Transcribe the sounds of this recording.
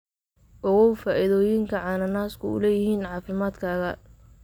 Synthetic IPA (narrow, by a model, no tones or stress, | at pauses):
ʔɔɣɔwfaːʔɪðɔːjɪŋkʰɐʕɑːnɐnaːskʰʊʊ̰lɛːjɪhiːnʕɑːfɪmaːd̪kʰaːɣɐ